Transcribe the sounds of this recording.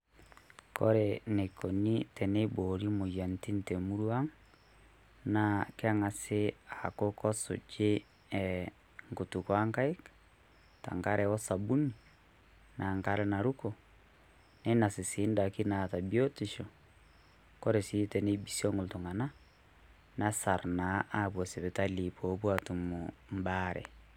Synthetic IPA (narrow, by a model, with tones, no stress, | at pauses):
kɔ̰˦ɾe˨ne˨kɔ˨ni˦tɛ˨ne˦bo˨ɾi˦mo˨ja˨n˨ti˦n˨te˨mu˦ɾu˦a˦ŋ | na˨ke˦a˦ŋa˨se˦a˨ko˦kɔ˦so̰˨d͡ʒe˦ | ɛ˨ | ŋɡo˨tu˨kwa˦ŋka˦i˦k | ta̰˨ŋka˦ɾɛ˨wɔ˦sa˨bu˦ni˨ | nʔa˨ŋka˦ɾɛ˦na˨ɾu˦ko˨ | ne˦na˨si˨si˨˦nda˨ki˦na˨ta˨bi˦o˦ti˨ʃɔ˨ | kɔ˦ɾe˨si˦tɛ˨ne˦bi˦sjɔ˦ŋɡo˨lto˨ŋa˨na˦ | na˦sa˨ɾna˨˦ʔa˦βwɔ˨se˨βe˨ta˦li˨pʰɔ˨˦bwa˦tu˨mom˦baɾɛ̰˨